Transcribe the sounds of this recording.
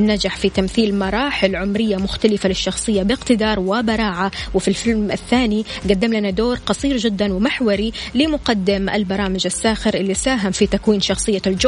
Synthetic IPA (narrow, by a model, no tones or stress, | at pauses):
nad͡ʒaħfit̪amθiːlmɑɾˤɑːħɪlʕʊmɾɪjːamʊxt̪alɪfalɪʃːɑxsˤɨjːabɪqt̪ɪd̪ɑːɾˤwɪbɑɾˤɑːʕawɪfilfɪlmʔɪθːaːniɡad̪ːɪmlanad̪oːɾˤqɑsˤiːɾd͡ʒɪd̪ːanwɪmaħwɑɾilɪmʊqɑd̪ːɪmʔa̰lbɑɾˤɑːmɪd͡ʒasːaːxɪɾʔɪlːisaːɦamfit̪akwiːnʃɑxsˤɨjːald͡ʒʊ